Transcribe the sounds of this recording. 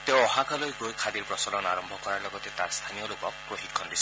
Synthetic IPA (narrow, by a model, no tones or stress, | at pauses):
t̪ewɔɦakalojɡojkʰad̪iɾpɾɔsɔlɔnaɾɔmbʱɔkɔɾaɾlɔɡɔt̪et̪ast̪ʰanijɔlokɔkpɾoɦikʰːɔndisɔ